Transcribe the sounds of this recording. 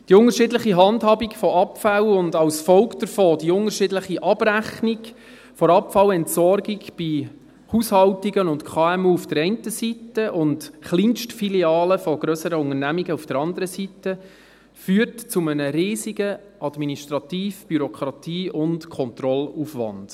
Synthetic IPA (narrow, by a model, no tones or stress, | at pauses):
d̥iʊŋəʃɪdləχiɦɑndhɑːbikfɔʔɑpfæwʊndɑwsfɔwkd̥əɾfoːd̥iʊŋəɾʃɪdləχiʔɑb̥ɾæχniɡ | fɔɾɑpfɑwɛntsɔɾɡiɡb̥i | huːshɑwtiɡənʊntkʰɑːɛmuːufd̥əɾɛɪntəsitːəʔʊndχlinʃtfiliɑːləfɔɡ̥ɾœsəɾəʊŋərnæmiɡəufd̥əɾɑndəɾəsitːə | fyːrtt͡sumənəɾiːsiɡə | ɑdminiʃtɾɑtiːfb̥yɾɔkʰɾɑtiːʊntkʰɔnt̪rɔluːfʋɑ̰nd̥